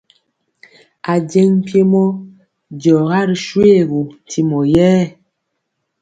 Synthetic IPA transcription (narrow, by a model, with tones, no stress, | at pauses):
a˨d͡ʒɛ˦ŋ˦pje˦mɔ˦ | d͡ʒɔ˨ɣa˦ɾi˨ʃwe˦˨ɣu˨n˨tʰi˨mɔ˨jɛː˦